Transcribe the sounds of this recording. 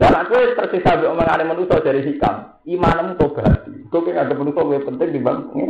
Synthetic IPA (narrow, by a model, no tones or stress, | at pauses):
d̥anaʔkuet̪ərsisabiʔɔməŋanemənusɔ̥d͡ʒ̥aɾis̬ika̰m | imanəmut̪ob̥a̤t̪ikokeŋaɡəmənusɔkuepənt̪ɪŋd̪ibaŋŋ̰